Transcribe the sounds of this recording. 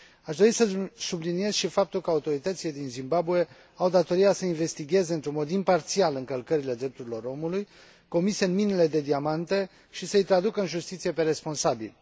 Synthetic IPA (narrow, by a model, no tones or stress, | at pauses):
aʃd̪o̞ɾisəsublinie̞z̥ʃifap̚t̪ulkəaut̪o̞ɾit̪ət̪sile̞d̪inzimbabue̞ | awd̪at̪o̞ɾijasəinve̞st̪iɡʲe̞zeɨnt̪ɾunmo̞d̪impart̪sialɨŋkəlkəɾile̞d̪ɾe̞p̚t̪uɾilo̞ɾo̞muluj | ko̞miseɨnminile̞d̪e̞d̪iamant̪e̞ | ʃisəɨjt̪ɾad̪ukəɨnʒust̪it̪sije̞pe̞ɾe̞spo̞nsabḭl